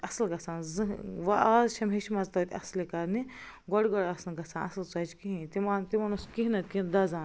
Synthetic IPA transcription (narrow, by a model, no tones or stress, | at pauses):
ɐslɡɐt͡sʰãːnzɨʋɐʔaːzʃʰɐmɦeʃimɐzt̪ɐwt̪ʲɐ̰slikɐɾni | ɡɔɽɡɔɽɐsnɡɐt͡sʰãːnɐslt͡sɐt͡ʃkiɦĩt̪imant̪imanuskiɦnɐt̪̚ʲkid̪ɐzãːn